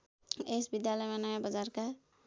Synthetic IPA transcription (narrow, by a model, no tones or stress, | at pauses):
esbid̪jalʌjmanʌjabʌd͡zarka